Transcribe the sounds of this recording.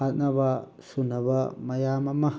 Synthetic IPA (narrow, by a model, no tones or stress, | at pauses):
anãβa | sunãβamajamãmã